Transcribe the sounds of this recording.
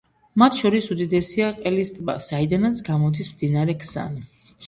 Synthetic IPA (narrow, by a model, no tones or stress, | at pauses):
mat̪ʰʃɔɾisud̪id̪ɛsiaqʼɛlist̪ʼba̰said̪anat̪sʰɡamɔd̪ismd̪inaɾɛkʰsa̰ni